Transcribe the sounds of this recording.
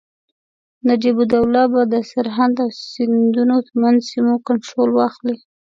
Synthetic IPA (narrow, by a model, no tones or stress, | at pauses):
nad͡ʒibud̪awlɑbad̪əsaɾɦand̪awsɪnd̪unot̪əmanzsimokaɳʈɾolwɑxli